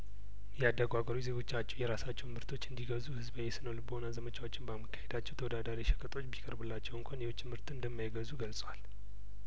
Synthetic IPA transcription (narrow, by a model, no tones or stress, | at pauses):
jɛad̪əɡʷaɡəɾuze̞ɡo̞t͡ʃːat͡ʃːɛwjɛɾasat͡ʃːɛwmɨɾt̪ʰo̞t͡ʃːɨnd̪iɡəzuhɨzbəjɛsɨnəwlɨbəhonazəmət͡ʃʰawot͡ʃːɪnbamːəkʰːahed̪at͡ʃːɛwt̪ʰəwɔd̪ad̪aɾiʃɛ̥kʼət̪ʼo̞t͡ʃːbikʼəɾbɨlːat͡ʃːɛwɨŋkʷʰanjeot͡ʃːɨmɨɾt̪ɨnd̪əmːajɡəzuɡəlsʼwal